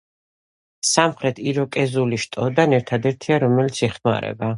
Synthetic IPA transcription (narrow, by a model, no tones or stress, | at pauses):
samχɾɛt̪ʰiɾɔkʼɛzuliʃt̪ʼɔd̪anɛɾt̪ʰad̪ɛɾt̪ʰiaɾɔmɛlit̪sʰɛχma̰ɾɛ̰ba